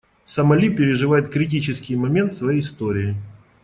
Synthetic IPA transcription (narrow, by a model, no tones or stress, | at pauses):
sɐmɐlʲipʲɪɾʲɪʐɨvajɪt̪̚kɾʲɪt̬ʲit͡ɕɪskʲɪjmɐmʲe̞nt̪svɐjejɪst̪oɾʲɪjɪ